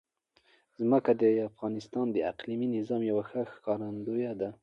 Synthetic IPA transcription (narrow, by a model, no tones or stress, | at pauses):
zməkad̪əafɣɑnɪst̪ɑnd̪əaqliminɪzɑmjawaxəxkɑɾand̪ojad̪a